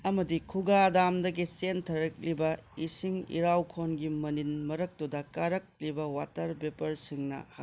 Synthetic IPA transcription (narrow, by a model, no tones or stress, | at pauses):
ɐmɐdikʰuɡadamdɐɡit͡ʃentʰɐɾɐk̚libɐisiŋḭɾawkʰonɡimɐninmɐɾɐk̚tudɐkaɾɐk̚libɐwatɐɾbepɐɾsiŋnɐ̰ha